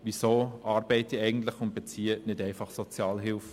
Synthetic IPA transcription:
ʋisoːʔɑːɾbɛɪtiɛɪɡən̩tlɪχʊnt̚b̥et͡siːənɪdɛɪfɑχsɔt͡sjɑːlɦɪlf

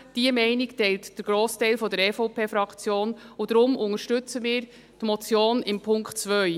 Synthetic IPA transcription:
d̥iəmɛɪnɪktɛɪltd̥əɾɡ̥ɾoːstɛɪlfɔdəɾɛfɔʊpʰeːfɾɑkt͡sjoːnʊd̥̪ɾʊmʔʊŋəɾʃtʏt͡səmɪːɾ | tmɔt͡sjoːnɪmpʰʊŋktt͡sʋœɥ

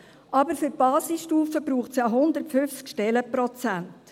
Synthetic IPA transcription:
ʔɑbəɾfʏɾb̥ɑːsɪsʃtuːfəbɾuːχtsjɑɦʊnd̪əɾtfʏft͡skʃtɛləpɾɔt͡sænt

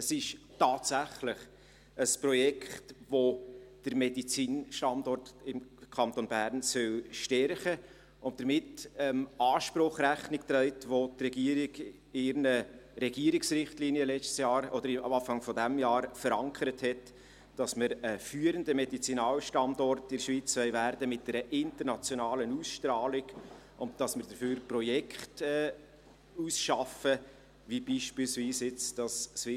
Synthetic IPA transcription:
əsɪʃ | tɑːtsæχlɪχ | əspɾɔjɛkχtʋod̥əɾmɛdit͡siːnʃtɑndɔrtɪmkʰɑntonbæːɾnsœlʃtɛɾχə | ʊnt̚d̥əɾmɪtɛmɑːʃpɾʊχræχnɪk̚tɾœɪtʋotrɛɡiəɾɪɡ | ɪɾnəɾɛɡiəɾɪksɾɪχtliːniəlɛt͡stsjɑːɾɔd̥̪əɾɪɑ̰ɑːfɑŋfɔdæmjɑːɾfəɾɑŋkʰəɾəthɛt | d̥ɑsməɾəfyːəɾəndəmɛdit͡sinɑːlʃtɑndɔrtɪɾʃʋiːt͡sʋœɪvæɾdəmɪt̚dɛɾəʔɪntəɾnɑt͡sjonɑːlənuːsʃtɾɑːlɪɡ | ʔʊnt̚d̥ɑsməɾdəɾføːɾprɔjɛkʰχtɛː | uːsʃɑfə | ʋibiːʃpɪːlsviːsɪt͡sd̥ɑssvɪ

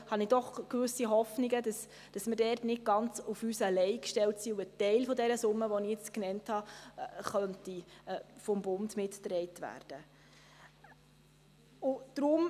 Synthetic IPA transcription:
hɑnid̥ɔχkʋʏsiɦɔfniɡədɑs | d̥ɑsmɪɾdɛrtnɪd̚ɡ̥ɑnt͡sufysəlɛɪkʃtɛltsiuətɛɪlfɔdɛɾəsʊmːəʋɔnɪɛt͡sknɛnthɑχœntifɔmbʊndmɪtːrɛɪtvæ̰ːɾd̥ə | ʊd̥ɾʊm

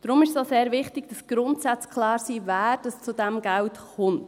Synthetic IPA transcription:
d̥ɾʊmɪʃsoːseːɾvɪχtɪɡ̥d̥ɑsɡ̥ɾʊntsæt͡skʰlɑːɾsiːvæːɾd̥ɑst͡sudɛmɡæltχʊmt

